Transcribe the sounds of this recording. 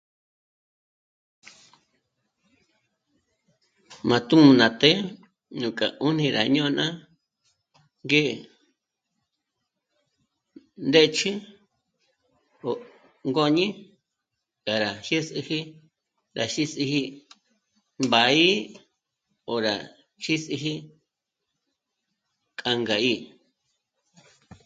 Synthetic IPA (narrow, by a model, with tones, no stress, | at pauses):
mã˧t̪u˦mũ˧nã˨t̪e˦ | ɲũ˨ka˨u˦n̥ĩ˧ɾa˨ɲõ˦˧nʔã˦ | ŋɡe˦˨ | nd̪e˦˧t͡ʃʰi˦ | o˨ | ŋɡo˧ɲĩ˦ | ka˨ɾa˨ʃi˦si˧hi˦ | ɾa˨ʃi˦si˧hi˧ | mba˨i˦ | o˨ɾa˨ | ʃi˦si˧ɦi˦ | kʼa˧ŋɡa˨i˧